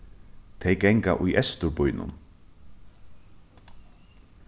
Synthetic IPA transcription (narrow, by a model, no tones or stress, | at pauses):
t̪ʰejkɛŋka̰ʔʊjʔɛst̪ʊɾpʊjnʊ̰n